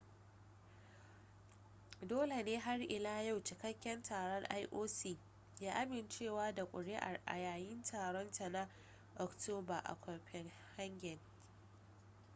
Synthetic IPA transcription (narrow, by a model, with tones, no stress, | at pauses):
doː˦le˨neː˦ɦa˦rʔɪ˨laː˦ja˦˨wt͡ʃɪ˨kɐ˦kʲːɐ˦ntʰaː˨ɽɔ˦ŋʔa̰˦jʔoː˦siː˦˨ | jaː˦ʔa˦mɪ˨nt͡ʃeː˦˨waː˦da˨kʷʼʊ̰˨ɽɪ˦ʔa̰˨rʔa̰˨jaː˨jɪ˦ntʰaː˨ɽɔ˦ntʰa˨na˦ | ʔɔ˨ktoː˦ba˨ʔa̰˨kʷɐ˨ɸɛ˨ŋ | ha˦ŋɡʲɛ˨ŋ